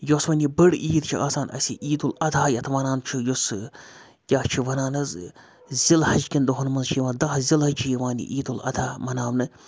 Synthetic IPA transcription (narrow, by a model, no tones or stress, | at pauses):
josmɐnibəɽiːd̪̚t͡ʃʰiʔaːsaːnʔɐ̰sʲiʔiːd̪ulɐd̪ʰʱaːjɐt̪ʰʋɐnaːnt͡ʃʰijos | kʲaːht͡ʃʰiʋɐnaːnɐz | zilhɐd͡ʒkʲind̪oɦɐnmɐnzt͡ʃʰiːʋaːnd̪ɐːzilɦɐt͡ʃʰijʋaːnḭʔiːd̪ulɐ̰d̪ʰʱaːmɐnaːmnɨ